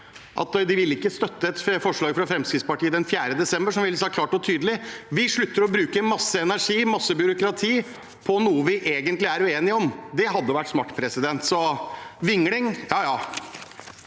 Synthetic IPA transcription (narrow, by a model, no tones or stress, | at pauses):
ʔɑ̰t̪d̪ɪʋɪlɪkːəst̪œt̪ːəɛt̪fɔʂɭɑːɡfɾɑfɾɛmskɾɪt̪spɑʈʰiːəd̪ɛnfjæːɾəd̪ɛsɛmbəʂɔmʋɪlsɑkʰlɑːʈɔt̪ʰyːd̪əlɪʋɪʂɭʉt̪ːəɾɔbɾʉːkəmɑsːəɛnæʂiːmɑsːəbjʏɾʊkɾɑt̪ʰiː | pʰɔnuːəʋɪʔeːɡənt̪lɪæɾʉeːnɪɔmd̪ɛɦɑd̪ːəʋæʈːsmɑʈːpʰɾɛsɪd̪ɛnt̪sɔʋɪŋlɪŋjɑːjɑː